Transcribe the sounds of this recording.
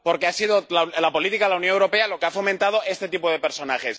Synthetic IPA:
po̞ɾkeasiðolalapo̞lit̪ikaðelaunjonewɾo̞pealo̞keafo̞mẽnt̪að̞o̞ʔe̞st̪e̞t̪ipoð̞epe̞ɾso̞naxe̞s

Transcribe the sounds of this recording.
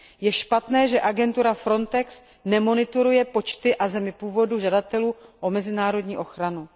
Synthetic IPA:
jɛʃpat̪nɛːʒɛʔaɡɛnt̪uɾafɾo̞nt̪ɛks | nɛmo̞nɪt̪uɾujɛpo̞t͡ʃt̪ɪʔazɛmɪpuːvo̞duʒadat̪ɛluːʔo̞mɛzɪnaːɾo̞dɲiːʔo̞xɾanu

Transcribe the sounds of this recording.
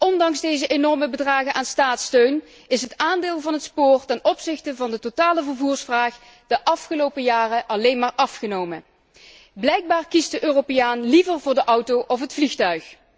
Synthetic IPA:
ɔndɑŋzdejzəʔenɔɹməbədraːɣənʔaːnstaːtstøɥn | ɪsɦətaːndeːlˠvɑnɦətspʊːrtɛnɔpsɪxtəvɑndətotaːləvərvuːɹsfraːχ | d̥əʔɑfχəlowpəjaːrəʔɑlejnmaːɹʔɑfχənowmə | blɛjk̚baːrkisdəʔøːropejaːnlivərvʊːɹdəʔʌwtowʔɔfɦətflixtœɥx

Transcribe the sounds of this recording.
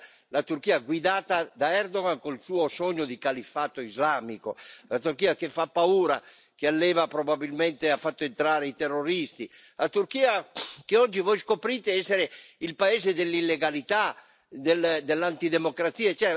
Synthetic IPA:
lat̪uɾkiːaɡwid̪aːt̪ad̪aɛɾd̪oɣankolsuːosɔɲːod̪ikalifat̪oizlaːmikolat̪uɾkiːakefapːauːɾa̰ | kealːɛːvapɾobabilmɛnt̪eafːat̪ːoent̪ɾaːɾeit̪ɛrːoɾist̪i | lat̪uɾkiːakeɔd͡ʒːivɔjskopɾit̪eɛsːeɾeilpaɛːzed̪elːilːeɡalit̪a | d̪eld̪elːant̪id̪emokɾat̪siːaet͡ʃɛ

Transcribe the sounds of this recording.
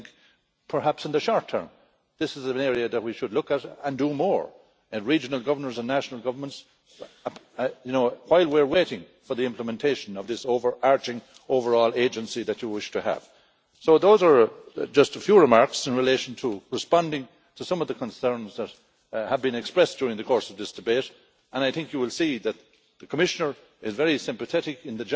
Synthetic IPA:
ɪ̃ŋk | pʰə˞hæpsɨ̃n̩ðəʃɔɹtʰɜ̰̃˞m | ðɪsɨzə̃nɛɹiɨðət̚wiʃɨdˡlʊkəɾə̃ndəmɔɹ | ɨ̃nɹid͡ʒənəl̩ˠɡʌvə˞nə˞zə̃nːæʃnəl̩ˠɡʌvə˞mə̃nts | jɨnoʊw̥aɪlˠwiɹweɪɾɪ̃ŋ | fə˞ðiɪ̃mpləmɛ̃ntʰeɪʃə̃nʌvðɪsoʊvə˞ʔɑɹt͡ʃɪ̃ŋ | oʊvə˞ɔːlˠeɪd͡ʒɨ̃nsiðɨt͡ʃəwɪʃtʰɨə̰v̥ | soʊðoʊzə˞d͡ʒʌstəfjuɹɨmaɹksɪ̃nɹɪleɪʃə̃n̩tʰəɹɨspɑ̃ndɪ̃ŋ | tʰəsʌ̃mʌvðəkʰə̃nsɜ̃˞nzðət̚ | həvbĩnɛkspɹɛsd̥jʊɹɪ̃ŋðɨkʰɔɹsʌvðɪsd̥ɨbeɪɾ | ʔə̃naɪθɪ̃ŋkjəwɪlˠsiðɨt̪̚ | ðəkʰəmɪʃənə˞ | ɪzvɛɹisɪ̃mpəθɛɾɪkɪ̃nðɨd͡ʒ

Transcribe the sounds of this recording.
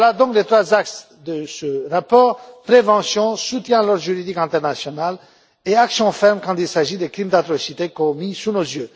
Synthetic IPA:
lad̪ɔ̃klet̪χwazaks | d̪əsəʁapɔʁpχevɑ̃sjɔ̃sut̪jɛ̃lɔʁʒyʁid̪ikɛ̃t̪ɛʁnasjɔnal | eaksjɔ̃fɛʁmkɑ̃t̪ilsaʒid̪ekχimd̪at̪ʁɔsit̪ekɔmisunozjø

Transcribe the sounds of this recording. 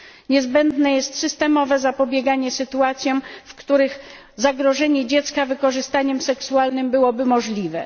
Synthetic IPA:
ɲɛzbɛnd̪nɛjɛst̪sɘst̪ɛmɔvɛzapɔbʲjɛɡaɲɛsɘt̪uat̪sʲjɔ̃fkt̪uɾɘx | zaɡɾɔʐɛɲɛd͡ʑɛt̪skavɘkɔʐɘst̪aɲɛmsɛksualnɘmbɘwɔbɘmɔʐlʲivɛ

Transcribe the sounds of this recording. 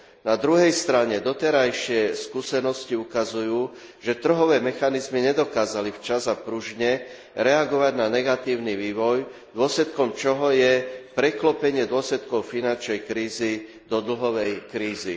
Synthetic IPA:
nad̪ɾuɦɛjst̪ɾaɲɛd̪ɔt̪ɛɾajʃɪɛskuːsɛnɔsciukazujuː | ʒɛt̪r̩ɦɔʋɛːmɛxanizmiɲɛd̪ɔkaːzalift͡ʃazapɾuʒɲɛ | ɾɛaɡɔʋaɟnanɛɡat̪iːʊniʋiːʋɔj | d̪ʊɔslɛt̪kɔmt͡ʃɔɦɔjɛpɾɛklɔpɛɲɪɛd̪ʊɔslɛt̪kɔʊfinant͡ʃnɛjkɾiːzi | d̪ɔd̪l̩ɦɔʋɛjkɾiːzḭ

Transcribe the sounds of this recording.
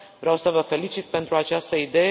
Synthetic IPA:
vɾawsəvəfe̞lit͡ʃit̪̚pe̞nt̪ɾuat͡ʃast̪əid̪e̞je

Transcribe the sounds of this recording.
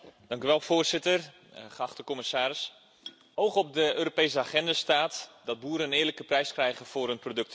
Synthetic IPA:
d̥ɑŋkyʋɛlˠv̥oːrzɪtər | χəɑχtəkɔməsaːɾɪs | owχɔb̚dəøːɾopejsəaχɛndastaːtdɑd̚buːɾənɪːrləkəprɛjskrɛjɣənv̥ʊːɾənprodɵk̚t

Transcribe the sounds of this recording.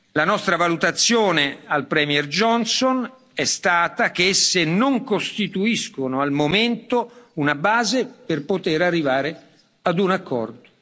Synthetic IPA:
lanɔst̪ɾavalut̪at̪sːjoːnealpɾɛmɛrd͡ʒɔnson | ɛst̪aːt̪ak̟eesːenoŋkost̪it̪uiskonoalmoment̪ounabaːzeperpot̪eɾarːivaːɾe | ad̪unakʰːɔ̰rd̪o

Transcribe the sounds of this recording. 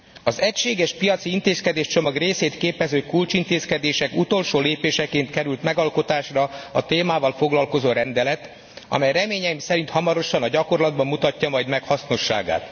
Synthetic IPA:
ɒzɛcʃeːɡɛʃpijɒt̪siint̪eːskɛd̪eːʃt͡ʃo̞mɒɡreːseːt̪keːpɛzøːkult͡ʃint̪eːskɛd̪eːʃɛkut̪o̞lʃoːleːpeːʃɛkeːnt̪kɛɾylt̪mɛɡɒlko̞t̪aːʃrɒɒt̪eːmaːvɒlfo̞ɡlɒlko̞zoːɾɛnd̪ɛlɛt̪ | ɒ̰mɛjrɛmeːɲɛjimsɛɾint̪hɒmɒɾo̞ʃɒnɒɟɒko̞rlɒd̪̚bɒmmut̪ɒcːɒmɒjd̪mɛkhɒsno̞ʃːa̰ːɡa̰ːt̪

